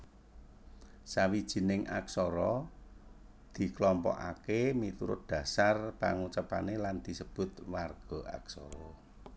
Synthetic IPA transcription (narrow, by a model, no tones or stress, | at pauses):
sawid̥ʒ̥i̤nɪŋʔa̰ksɔɾɔ | d̪̥i̤klɔmpɔ̰ʔa̰kemit̪uɾʊ̰t̪̚d̪̥ä̤sarpa̰ŋut͡ʃapaneland̪̥i̤səb̥ʊ̤t̪warɡ̥ɔ̤ʔa̰ksɔ̰ɾɔ